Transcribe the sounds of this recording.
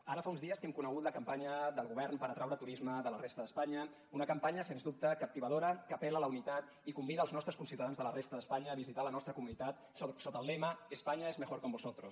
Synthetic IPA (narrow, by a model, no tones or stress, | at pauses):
aɾəfaunzðiəskɛmkunəɣ̞ut̪ləkəmpaɲəðəlˠɣuβɛrnpəɾət̪ɾawɾət̪uɾizməðələrest̪əðəspaɲə | unəkəmpaɲəsenzðup̚t̪əkəp̚t̪iβəðoɾəkəpɛlələunit̪at̪ | ikumbiðəːlˠznɔst̪ɾəskunsiwt̪aðanzðələrest̪əðəspaɲəːβizit̪alənɔst̪ɾəkumunit̪at̪ | sosot̪əlˠleməəspaɲəezməxoɾkombuzot̪ɾos